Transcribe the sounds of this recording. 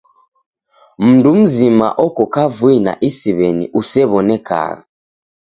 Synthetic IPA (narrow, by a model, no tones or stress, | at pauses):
m̩ndum̩zima̰ʔɔkɔkavuina̰ʔisiβɛnḭʔusɛβɔnɛka̰ɣa̰